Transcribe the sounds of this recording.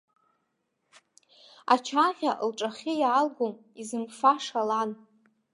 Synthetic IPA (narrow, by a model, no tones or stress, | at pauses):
a̰t͡ʃʰaʁʲaʔlʈ͡ʂʼaχʲɪjaːlɡom | izɨmfaʂalan